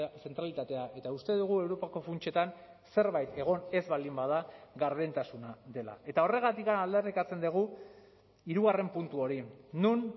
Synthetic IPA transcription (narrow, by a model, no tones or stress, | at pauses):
se̞nt̪ɾalit̪at̪e̞aʔe̞t̪aust̪e̞ðuɣ̞ue̞wɾo̞pako̞funt͡ʃe̞t̪an | se̞ɾβajt̪e̞ɣ̞o̞ne̞zβald̪imbað̞aɣaɾβent̪asunaðe̞la̰ʔe̞t̪ao̞re̞ɣ̞at̪ikanald̪e̞rikat͡se̞nd̪eɣ̞u | iɾuɣare̞mpunt̪uo̞ɾinun